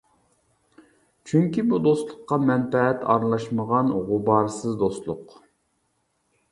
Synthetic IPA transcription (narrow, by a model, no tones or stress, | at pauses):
t͡ʃʰyŋkʲibud̪oslˠʊqːɑmɛnfɛʁɛt̪ʰɑ̰ɾlˠɑʃməʁɑnʁʊbɑɾsɨzd̪ost̪lˠʊq